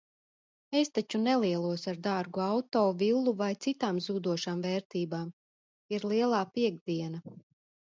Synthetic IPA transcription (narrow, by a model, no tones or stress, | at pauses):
est̪at͡ʃunɛlˠiɛlˠuɔsaɾd̪aɾɡuawt̪ɔːvilˠːuvajt̪sit̪aːmzuːd̪uɔʃaːmvɛːɾt̪iːbaːm | iɾlˠiɛlˠaːpiɛɡd̪iɛna